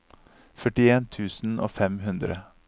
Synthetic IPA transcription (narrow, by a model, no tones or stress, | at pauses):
fœʈɪeːnt̪ʰʉːsn̩ʔo̰ːfɛmhʉnd̪ɾə